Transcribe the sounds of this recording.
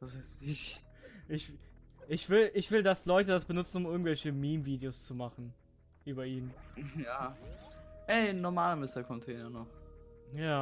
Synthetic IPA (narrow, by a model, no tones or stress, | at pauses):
vasaɪsɪç | ʔɪçʔɪçv̥ɪlʔɪçv̥ɪldaslɔʏtədasb̥ənʊt͡sn̩ʊmʔɪɐɡŋ̩tv̥ɛlçəmiːmviːdeoːst͡sumaχn̩ | ʔyːbɐʔiːnjaː | ʔɛɪnːɔmaːlamɪstakʰɔntʰɛːnɐnɔχjaː